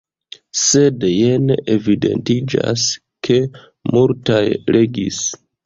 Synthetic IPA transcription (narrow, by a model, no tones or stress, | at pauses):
se̞djeneʔevide̞̰ntid͡ʒa̰s | kʰe̞ | muɾtajɾe̞ɡis